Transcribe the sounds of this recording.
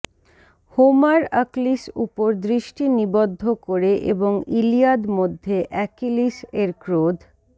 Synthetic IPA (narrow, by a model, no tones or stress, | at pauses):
homaɾaklisupoɾd̪ɾiʃʈinibod̪ʱːokoɾeʔḛboŋilijad̪mod̪ʱːeʔɛkiliseɾkɾod̪ʱ